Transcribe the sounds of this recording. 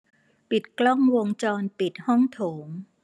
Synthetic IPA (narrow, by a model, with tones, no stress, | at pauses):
pi˨˩t̪̚klɔ˥˩ŋwo˧ŋt͡ɕɔː˧npi˨˩t̪̚hɔ˥˩ŋt̪ʰoː˩˦ŋ